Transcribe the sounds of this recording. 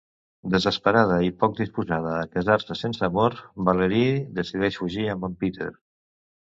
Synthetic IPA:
d̪əzəspəɾað̞əipɔk̚d̪ispuzað̞əːkəzaɾsəsensəːmoɾbaləɾid̪əsiðɛʃfuʒiəmbampit̪ḛɾ

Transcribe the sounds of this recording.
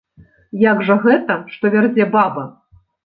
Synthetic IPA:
jaɡʐɐɣɛt̪ɐʂt̪ɔvʲard͡zʲɛbabɐ

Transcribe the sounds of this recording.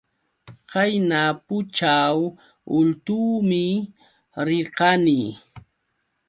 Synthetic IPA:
qajnapʊt͡ʃaw | ʊlt̪uːmɪ | ɾɪqɑni

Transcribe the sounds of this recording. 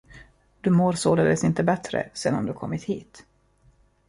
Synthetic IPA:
d̪ɵmoːɾsoːd̪əd̪ɛsɪnt̪əbɛt̪ɾə̰seːd̪a̰md̪ɵkʰɔmːɪt̪hiːt̪

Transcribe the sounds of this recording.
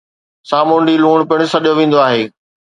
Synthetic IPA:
saːmʊɳɖiluːɽ̃pɪɽ̃ɪ̆sɐɗjoʋẽːn̆d̪oaːɦeː

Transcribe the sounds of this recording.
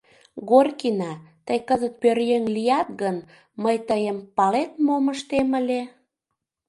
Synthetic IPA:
ɣorkinɑt̪əjkəzət̪̚pørjeŋlijɑt̪̚ɣən | məjt̪əjəmpɑlet̪̚moməʃt̪eməlʲe

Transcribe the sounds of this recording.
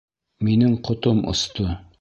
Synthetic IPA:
minɘŋqŏt̪omʔŏ̰st̪o

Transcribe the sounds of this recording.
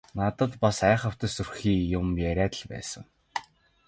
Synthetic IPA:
nat̪ə̆t̪pasæːχə̆w̥t̪ə̆surxiːjʊmjæɾʲæːt̪ə̆ɮpæ̰ːsə̆ŋ

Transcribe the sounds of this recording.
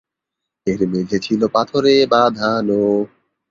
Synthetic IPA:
eɾmed͡ʑʱet͡ɕʰilopat̪ʰoɾebad̪ʱano

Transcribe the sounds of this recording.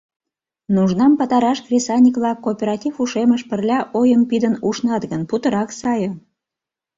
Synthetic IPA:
nuʒnɑmpət̪ɑɾɑʃkrʲesɑnʲikβlɑkːopʲeɾɑtʲifuʃeməʃpərlʲɑʔojəmpid̪ənuʃnɑt̪ɡənput̪əɾɑksɑjə

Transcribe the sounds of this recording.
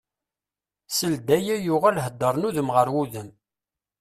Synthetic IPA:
səld̪æjæjʊʁælɦəd̪ˤːəɾˤnuðəmʁəɾwuðəm

